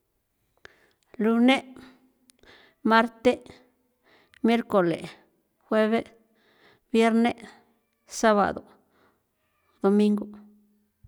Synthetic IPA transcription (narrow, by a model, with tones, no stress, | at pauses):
lu˧ne˦ | ma˦ɾt̪e˦ | mje˦ɾko˨lḛ˨ | xwe˦βe˦ | bje˦ɾne˦ | sa˦βa̰˨d̪o˨ | d̪̥o˧mi˦ŋɡo˨